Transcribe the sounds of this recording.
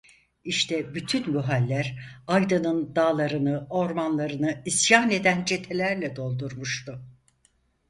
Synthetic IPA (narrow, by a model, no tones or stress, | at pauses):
iʃt̪ʰɛbyt̪ʰynbuɦalʲːæɾajd̪anɯnd̪aːlˠaɾɯnɯo̞ɾmanlˠaɾɯnɯisjaːne̞d̪ænd͡ʒʰe̞t̪ʰe̞lʲæɾlʲɛd̪o̞lˠd̪uɾmuʃt̪ʊ